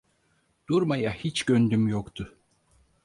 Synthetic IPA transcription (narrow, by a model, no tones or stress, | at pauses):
d̪̥uɾmajahit͡ʃɟønd̪ymjokt̪ʰʊ